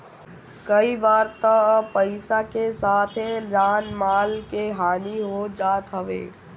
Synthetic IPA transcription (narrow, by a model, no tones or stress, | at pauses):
kɐibaːɾt̪əpɐɪsakesaːt̪ʰeɾaːnmaːlkeɦaːniɦod͡ʒaːt̪ɦɐʋḛː